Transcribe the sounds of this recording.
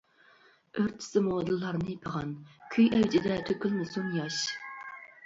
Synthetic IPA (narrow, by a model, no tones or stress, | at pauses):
øɾt̪ʰːɪ̥sɨmod̪ɨlˠːɑɾnɨjipʰəʁɑnkʲʰyjɛwd͡ʒɪd̪ɛt̪ʰøkʲylnɨsunjɑʃ